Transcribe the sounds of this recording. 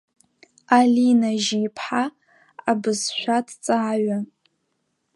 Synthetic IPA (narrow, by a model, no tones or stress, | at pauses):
alinaʒiːpʰħa | abɨzʃʷᶣadt͡sʼaʕaɥa